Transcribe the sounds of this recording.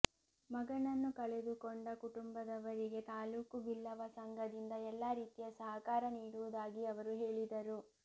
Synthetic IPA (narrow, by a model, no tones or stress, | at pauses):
mɐɡɐɳɐnːukɐɭed̪ukoɳɖɐkuʈumbɐd̪ɐʋɐɾiɡe̞t̪aːluːkubilːɐʋɐsɐŋɡɐd̪ind̪ɐɛlːaɾiːt̪ijɐsɐɦɐkaːɾɐniːɽuʋud̪aːɡiɐʋɐɾuɦeːɭid̪ɐɾu